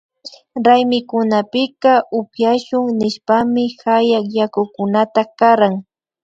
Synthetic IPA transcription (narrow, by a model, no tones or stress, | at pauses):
ɾajmɪkʊnapɪkaʊpjaʃʊŋnɪʃpamɪxajakjakʊkʊnat̪akaɾaŋ